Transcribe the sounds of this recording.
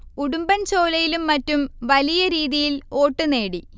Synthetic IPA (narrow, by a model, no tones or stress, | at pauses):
kuɽumbɐnt͡ɕo̞ːlɐjilumːɐtːumʋɐlijɐɾiːðijilo̞ːʈːɨne̞ːɽi